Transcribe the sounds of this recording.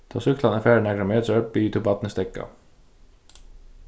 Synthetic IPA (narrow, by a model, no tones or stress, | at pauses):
d̪̥ʰɑːsʏklɑnəfæːəɳæɡɾəmeːd̪søpiːt̪ʰʊbɑt̪n̩əst̪ɛkːɑ̰